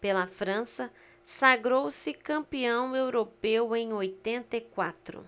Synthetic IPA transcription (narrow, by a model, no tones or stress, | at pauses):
pelɐfɾɐ̃sɐ | saɡɾowsɪkɐ̃mpiɐ̃w̃ewɾopewẽj̃ojt̪ẽnt̪ɐikwat̪ɾʊ̰